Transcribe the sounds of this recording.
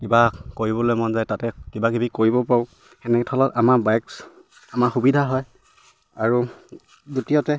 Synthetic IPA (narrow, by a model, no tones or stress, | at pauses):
kibakoɹibɔlojmɔnzajtatɛkibaɡibikoɹibɔpaʊ | xɛnɛkɛtʰɔlɔtamaɹbajks | amaɹxubidʱaɦɔj | aɹu | dutijɔtɛ